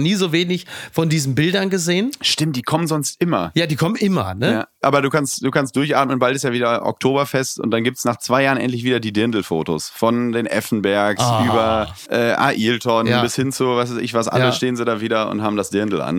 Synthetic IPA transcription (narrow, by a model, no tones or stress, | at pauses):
niːzoːveːnɪçfɔndiːzn̩bɪldɐnɡəzeːənʃtɪmt̚d̥iːkʰɔmənzɔnstʔɪmɐjaːdiːkʰɔmənʔɪmɐ̰nəjaːʔa̰ːbɐduːkʰanstd̥uːkʰanstd̥ʊɐçʔa̰ːt̚mənbaltɪsjaːviːdɐʔɔ̰k̚tʰoːbɐfɛstʊ̰nt̚d̥anɡiːp̚tsnaːχt͡sv̥aɪjaːʁənʔɛ̰nt̬lɪçv̥iːdɐdiːdɪɐndl̩fo̰ːto̰sfɔndeːnʔɛ̰fn̩bɛɐksyːbɐ | ʔɛːʔa̰ːʔiːltʰɔnbɪshɪnt͡suvaɪsv̥aɪsɪ̰çvasʔa̰ləʃteːənzidaːviːdɐʊ̰nthaːbm̩dasd̥ɪɐndl̩ʔa̰n